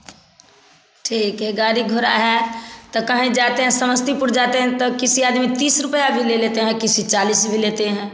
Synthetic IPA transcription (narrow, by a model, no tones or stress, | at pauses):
ʈʰiːkɦɛɡaːɾiɡʱʊɾa̰ɦɛt̪okəɦẽd͡ʒaːt̪eɦɛ̃sɐməst̪ipʊɾd͡ʒaːt̪eɦɛ̃t̪okɪsiaːd̪mit̪iːsɾʊpəjabʱileleːt̪eɦɛ̃kɪsit͡ʃaːliːsbʱileːt̪eɦɛ̃ː